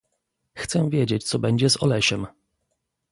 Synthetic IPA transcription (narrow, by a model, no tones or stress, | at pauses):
xt̪sɛvʲjed͡ʑet͡ɕt̪sɔbɛɲd͡ʑɛzɔ̰lɛɕɛm